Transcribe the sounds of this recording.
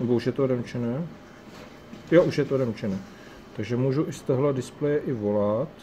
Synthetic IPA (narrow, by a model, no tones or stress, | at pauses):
nɛbouʃjɛt̪odɛmt͡ʃɛnɛː | joʔuʃjɛt̪odɛmt͡ʃɛnɛː | t̪aɡʒɛmuːʒuʔɪst̪əɦladɪsplɛjɛʔɪvolat̪